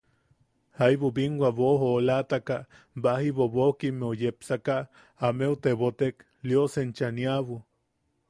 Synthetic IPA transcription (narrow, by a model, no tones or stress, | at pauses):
hajβubiŋɡʷaβoɦolat̪aka | bahiβoβokimeojepsaka | ameut̪eβot̪ek | ljosent͡ʃaniaβu